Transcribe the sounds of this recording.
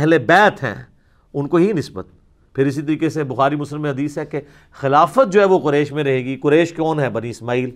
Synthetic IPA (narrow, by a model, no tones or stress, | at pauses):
ɦlebɛːt̪ɦɛ̰̃ː | ʊnkoɦinɪsbə̰t̪̚ | pʰɪɾɪsit̪ɐɾiːkesebʊxaːɾimʊsləmːẽɦɐd̪iːsɦɛke | xɪlaːfət̪̚d͡ʒoːɦɛʋoqʊɾɛːʃmẽɾɐɦeːɡiqʊɾɛːʃkɔːnɦɛbɐniɪsmaːiːl